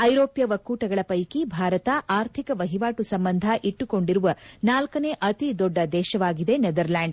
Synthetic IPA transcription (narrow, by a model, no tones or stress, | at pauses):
ɐjɾoːpjɐʋɐkːuːʈɐɡɐɭɐpɐjkibʱaːɾɐt̪ɐʔaːɾt̪ʰikɐʋɐɦiʋaːʈusɐmbɐnd̪ʱɐʔiʈːuko̞ɳɖiɾuʋɐnaːlkɐne̞ːʔɐt̪id̪oɖːɐd̪ɛːʃɐʋaːɡid̪e̞ned̪ɐɾlaːɳɖ